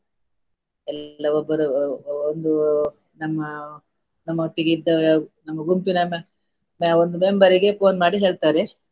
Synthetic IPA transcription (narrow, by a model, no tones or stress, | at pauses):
ɛlːɐɔbːɐɾuond̪u | nɐmːɐ | nɐmːɐɦoʈːiɡeid̪ːɐnɐmːɐɡumpinɐme | meond̪umembɐɾiɡe̞poːnmaːɽiɦe̞ːɭt̪aːɾe